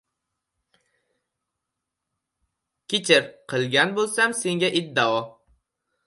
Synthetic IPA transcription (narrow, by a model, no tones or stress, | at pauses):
kʲʰɪt͡ʃʰɪɾqʰɨlˠɡʲanbolˠsamse̞ŋɡʲaʔɪd̪ːaɒ